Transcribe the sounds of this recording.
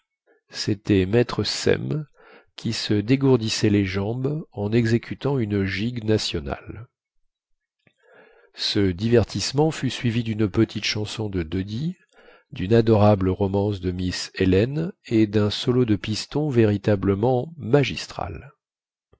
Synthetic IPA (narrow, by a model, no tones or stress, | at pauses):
set̪ɛmɛt̪χəsɛ̰m | kʲisəd̪eɡuʁd̪isɛleʒɑ̃bɑ̃nɛɡzekʲʰyt̪ɑ̃ynʒiɡnasjɔna̰l | səd̪ivɛʁt̪ʰismɑ̃fysɥivid̪ynpət̪ʰit̪ʃɑ̃sɔ̃d̪əd̪ød̪i | d̪ynad̪ɔʁabləʁɔmɑ̃sd̪əmiselɛned̪ɛ̃sɔlod̪əpist̪ɔ̃veʁit̪abləmɑ̃maʒist̪χa̰l